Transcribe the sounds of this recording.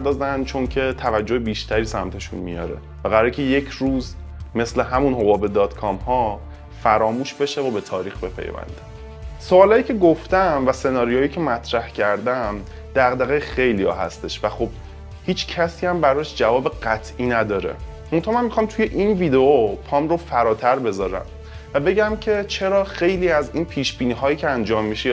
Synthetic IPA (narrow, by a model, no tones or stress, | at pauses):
ɾd̪ɒːzænt͡ʃʰo̞ncʰe̞t̪ʰævæd͡ʒːohebiːʃt̪ʰæɾiːsæmt̪ʰeʃṵnmḭjɒ̰ɾḛ | væɣæɾɒːɾicʰe̞je̞cʰɾuːz | me̞sle̞ɦæmunɦo̞bɒːbe̞d̪ɒːt̪kʰɒmhɒ | fæɾɒːmuːʃbe̞ʃevobe̞t̪ʰɒːɾiːxbe̞pʰḛjvæ̰nd̪æ | soɒːlɒːjiːcʰe̞ɡoft̪æmvæse̞nɒːɾijoːjiːcʰemæt̪ʰɾæhcʰæɾd̪æm | d̪̥æɣd̪æɣexe̞jlijɒ̰ːhɦæ̰st̪e̞ʃvæxob̥̚ | hiːt͡ʃʰcʰæsiːæmbæɾɒːʃd͡ʒævɒːbeɢæt̪ʰʔiːnæd̪ɒːɾḛ | mont̪ʰɑːhmænmixɒːmt̪ʰuje̞ʔinviːd̪eopʰɒːmɾofæɾɒːt̪ʰæɾbe̞zɒːɾæ̰m | væbe̞ɟæmcʰe̞t͡ʃʰe̞ɾɒːxe̞jliːæziːnpʰiːʃb̥iːniːɦɒːjiːcʰeænd͡ʒɒːmːiʃe